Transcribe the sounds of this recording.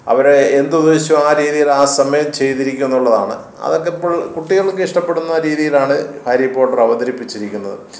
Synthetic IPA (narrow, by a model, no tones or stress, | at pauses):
ɐ̰ʋɐɾeend̪ud̪eːɕɐmaːɾiːðijilaːsɐmɐjɐmt͡ɕe̞jt̪iɾikʲːunːuɭːɐða̰ːɳɨ̰ | ɐ̰ðo̞kːepːoːɭkuʈːiɣɐɭokːeiʂʈɐpːe̞ɽunːɐɾiːðijilaːɳɨhaːɾipːoːʈːɐrɐʋɐd̪ɐɾipːit͡ɕːiɾikʲːunːɐ̰ðɨ̰